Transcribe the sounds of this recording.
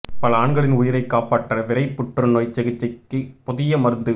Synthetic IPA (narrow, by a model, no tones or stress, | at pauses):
pɐlɐaːɳɡɐɭɪnʊjɪɾɐɪkːaːpaːʈːrɐʋɪɾɐɪpːʊʈːrɯnoːjt͡ʃɛɣɪt͡ʃːɐkːɯpɔðɪjɐmɐɾɯnd̪ɯ